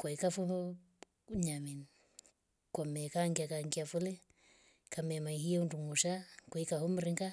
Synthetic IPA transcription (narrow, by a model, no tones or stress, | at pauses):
kwaikafu | ɲamin | kwamɛkaŋɡiakaŋɡiafulɛ | kamɛmaiɦijaunduŋuʃakaikahum̩ɾiŋɡa